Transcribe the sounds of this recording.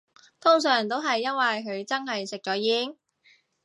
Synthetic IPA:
t̪ʰʊ˥ŋsœː˨˩ŋt̪o˥wɦɐ˨jːɐ˥nwɐ˨jɦɵ˨˧ɥt͡sɐ˥nɦɐ˨jsɪ˨k̚t͡ʃɔː˨˥jiː˧˥ŋ

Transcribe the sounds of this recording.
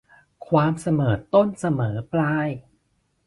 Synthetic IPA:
kʰwaː˧msa˧mɤː˨˩˦t̪o˥˩nsa˧mɤː˩˦plaː˧j

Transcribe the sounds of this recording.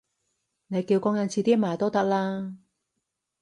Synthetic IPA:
ne˨˧jkiː˧wkɔː˥ŋjɐ˨˧nt͡sʰiː˨˧t̪iː˥maː˨˩jt̪o˥wt̪ɐ˥k̚laː˥

